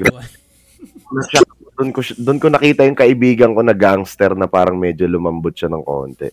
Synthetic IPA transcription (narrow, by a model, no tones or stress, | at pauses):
ɡɾa | nɐʃaɐ | d̪ʊnkoʃd̪ʊnkonɐkiːt̪ɐjʊŋkɐʔɪbiːɡɐŋko̞nɐɡaŋst̪ɛɾnɐpaːɾɐŋmɛd͡ʒolʊmɐmbʊt̪̚ʃɐnɐŋko̰ːnt̪ɛ̰